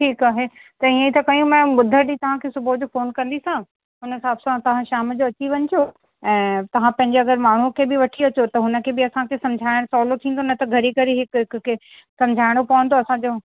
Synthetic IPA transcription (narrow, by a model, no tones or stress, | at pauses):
ʈʰiːkaːɦet̪ɐĩə̃it̪ʰɐkɐjũmɛ̃ːɓʊd̪ʱəɾɗĩt̪ɐʋ̤ãkʰeːsʊbʱod͡ʑofoːnkɐ̃n̆d̪isã | ɦʊnɦɪsaːbsãt̪ɐʋ̤ãʃaːmd͡ʑoɐt͡ɕiʋɐɲt̪ʰjo | ɛ̃ːt̪ɐʋ̤ãpɐ̃ɦɪɲd͡ʑeɐɡəɾmaːɳ̤ukʰeːbɪʋɐʈʰiɐt͡ɕot̪ɐɦʊnə̆kʰeːbɪɐsãkʰesɐ̃md͡ʑʱaːɪɽ̃sɔːlot̪ʰĩːn̆d̪ʱonɐt̪ɐɡʱɐɾikɐɾeɦɪkɦɪkkʰeː | sɐ̃md͡ʑʱaːɪɽ̃opɐʋə̃n̆d̪oɐsãd͡ʑoː